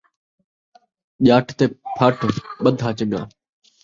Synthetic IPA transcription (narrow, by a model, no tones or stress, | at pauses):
ʄaːʈʰt̪eːpʰaːʈʰɓəd̪ʱɦaːt͡ʃəŋɡa̰ː